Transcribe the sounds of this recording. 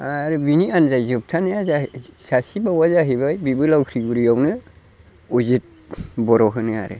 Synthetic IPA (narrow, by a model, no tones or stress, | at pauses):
aɾɯbinianzajzɯp̚tʰanɯjazasasibawazaɦibajbibɯlawkʰɾiɡuɾijawnɯ | uzit̚ | bɔɾɔɦɯnɯa̰ɾɯ̰